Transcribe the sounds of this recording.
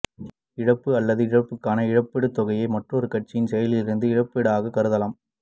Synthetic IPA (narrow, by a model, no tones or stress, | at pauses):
ɪɻɐpːɯɐlːɐðɯɪɻɐpːɯkːaːnɐɪɻɐpːɛɽɯt̪ːɔɣɐjɐɪmɐʈrɯɔɾɯkɐʈ̚t͡ʃːɪjɪnsɛjɐlɪlɪɾɯnd̪ɯɪɻɐpːɛɽɯaːɣɐkɐɾɯðɐlɐm